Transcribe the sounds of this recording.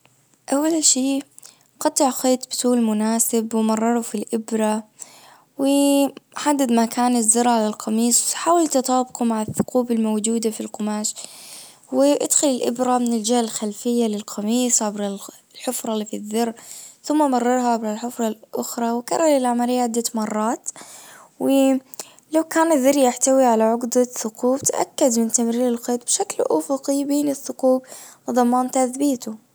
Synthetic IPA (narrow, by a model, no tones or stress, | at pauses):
ʔawːalʃiː | qɑt̪ˤːɪʕxeːt̪ˤbɪt̪ˤuːlmʊnaːsɪbwmɑrˤːɑɾˤufilʔɪbɾˤɑ | wɪħad̪ːad̪makaːnɪzːɑɾˤʕalalqʰɑmiːsˤwħaːwalt̪ɑt̪ˤɑːbqumaʕaθːʊ̥quːbɪlmowd͡ʒuːd̪afilqʊmaːʃ | wɪʔad̪xʊlɪlʔɪbɾˤamɪnɪld͡ʒaːɪlxalfɪjːalɪlqʰɑmiːsˤʕabɾal | lħʊfɾˤɑlːiːfiðːɑrːθʊmːamɑrˤːɑɾˤhaʕabɾalħʊfɾˤɑlʔʊxɾˤɑwka̰rˤːɑlɪlʕamaɾijːaʕɪd̪ːat̪mɑrˤːɑːt̪ | wɪ | lawkaːnɪðɪɾjaħt̪awiʕalaʕʊqd̪aθʊquːbt̪ʔa̰kːad̪mɪnt̪amɾiːlɪlqeːt̪̚ˤbʃaklʔʊ̰fʊqibeːnɪθːʊquːbwɨðˤɑmːɑːnt̪aθbiːt̪ʊ